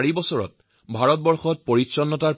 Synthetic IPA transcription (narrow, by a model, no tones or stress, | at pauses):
ɹibɔsɔɹɔ̰t̚ | bʱaɹɔt̚bɔɹxɔt̚poɹisɔnːɔtaɹ